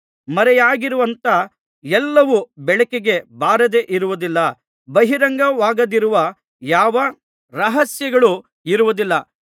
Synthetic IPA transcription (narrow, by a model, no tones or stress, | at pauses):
mɐɾɛjaːɡiɾuʋɐnt̪ɐ | ɛlːɐʋubɛɭɐkeɡe̞baːɾɐd̪e̞ːʔiɾuʋud̪ilːɐ | bɐɦiɾɐŋɡɐʋaːɡɐd̪iɾuʋɐ | jaːʋɐ | ɾɐɦɐsjɐɡɐɭu | iɾuʋud̪ilːɐ